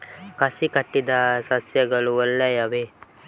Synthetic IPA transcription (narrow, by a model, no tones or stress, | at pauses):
kɐsikɐʈːid̪ɐsɐsjɐɡɐɭuɔlːɐjɐʋe